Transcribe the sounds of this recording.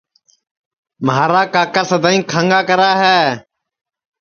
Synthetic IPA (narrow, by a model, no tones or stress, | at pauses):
mɦaːɾaːkaːkəsd̪aːĩːkʰaŋɡaːkəɾaːɦɛː